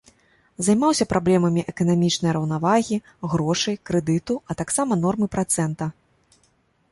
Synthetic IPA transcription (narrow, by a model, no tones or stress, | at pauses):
zajmawsʲɐpɾʔablʲɛmɐmʲiʔɛkɐnamʲit͡ʂnɐjɾɐwnavaɣʲi | ɣɾɔʂɨjkɾɛd̪ɨt̪uɐt̪aksamɐn̪ɔrmɨpɾat̪sɛnt̪ɐ